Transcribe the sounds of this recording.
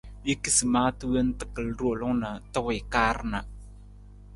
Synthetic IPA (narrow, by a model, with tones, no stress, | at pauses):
je˦ki˦si˨maː˦tɨ˦we˦n˦tə̥˨kə˨lɾo˨lʊ˦ŋna˨tə˦wɪ˨kaː˦ɾna˨